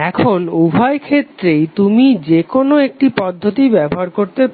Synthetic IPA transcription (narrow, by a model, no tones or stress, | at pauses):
ɛkʰolubʱaekʰet̪ːɾejt̪umid͡ʑekonoek̚ʈipɔd̪ʱːot̪ibɛboɦaɾkoɾt̪ep